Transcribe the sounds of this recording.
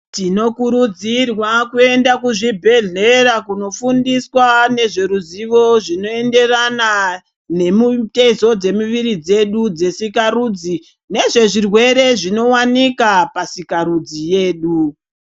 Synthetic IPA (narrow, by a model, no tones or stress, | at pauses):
tino̞kuɾud͡zirwakue̞ndakuʐibʱe̞ɮe̞ɾakuno̞fundiswane̞ʐe̞ɾuziʋo̞ʐino̞e̞nde̞rana | ne̞mute̞zo̞d͡ze̞muʋiɾid͡ze̞ɗud͡ze̞sikaruːd͡zi | ne̞ʐe̞ʐirwe̞ɾe̞ʐino̞wanikapasikaɾud͡zije̞ːɗu